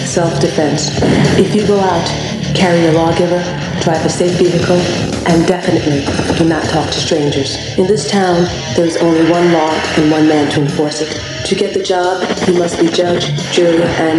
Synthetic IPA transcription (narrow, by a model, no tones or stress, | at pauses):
sɛlˠfd̥ɨfɛ̃nsɨfjɨɡoʊaʊt | kʰɛɹiəlɔɡɪvə˞ | d̥ɹaɪvɨseɪfv̥iɦɨkʰl̩ˠ | ʔɨ̃ndɛfɨnɨʔˡlid̥ɨnətʰɔk̚tʰɨ̥stɹ̥ẽɪ̃nd͡ʒə˞z̥ | ɨ̃nðɪstʰãʊ̃n | ðə˞ɨzõ̰ʊ̃nliwʌ̃nlɔɨ̃nwʌ̃nmæ̃ntʰɨɨ̃ɱfɔɹsɨt | tʰɨɡɛt̪̚ðɨd͡ʒɑbjɨmʌst̚b̥id͡ʒʌd͡ʒd͡ʒɜ̃˞ʔɨ̃n